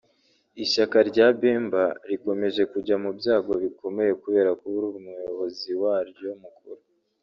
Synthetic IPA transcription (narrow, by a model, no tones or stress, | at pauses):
iʃakaɾɟabeːmbaɾiko̞me̞ʒe̞kuɟamubjaːɡo̞βiko̞me̞je̞kuβe̞ːɾakuβuɾumujo̞βo̞ziwaːɾjomukuɾu